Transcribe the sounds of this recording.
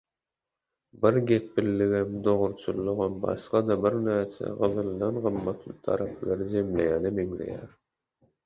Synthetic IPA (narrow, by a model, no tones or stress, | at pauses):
bɪɾɡʲepːɪlːɪɣɪmd̪oʁʊɾt͡ʃʰulˠːʊʁɑmbɑ̰ʃqɑd̪ɑbɪɾnæɾt͡ʃʰɛ̰ʁɯðɯlˠnɑnʁɯmːɑt̪ʰlˠɯt̪ʰɑ̰ɾɑplˠɑɾd͡ʒemlejænɪmeŋlḛjæɾ